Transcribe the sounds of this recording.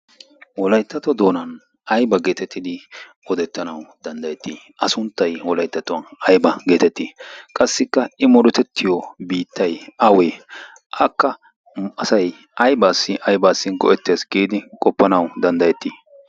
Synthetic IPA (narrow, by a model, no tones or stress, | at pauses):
wɔlɐjt̪ːɐt̪ɔd̪o̞ːnɐn | ʔɐjbɐɡe̞ːt̪ɛt̪ːɪd̪ɪ | ɔd̪ɛt̪ːɐnɐwd̪̥ɐnd̪ɐjɛt̪ːiː | ʔɐsʊnt̪ːɐjwɔlɐjt̪ːɐt̪ɔwɐnɐjbɐɡe̞ːt̪ɛt̪ːiːkʼɐsːɪkːɐɪmɔd̪ɛt̪ɛt̪ːɪjɔbiːt̪ʰːɐjɐwe | ʔɐkːɐ | ɐsɐj | ʔɐjbaːsːɪʔɐjbaːsːɪɡɔ̰ʔɛt̪ːeːsɡiːd̪ɪkʼɔpːɐnɐwd̪ɐnd̪ɐjɛt̪ːiː